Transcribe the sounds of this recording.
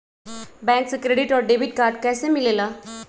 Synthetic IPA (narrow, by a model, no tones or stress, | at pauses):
bɛ̃ŋk̚t͡səkɾeɖiʈɔɾɖeʋiʈ̚kaɾɖkɛjsemilela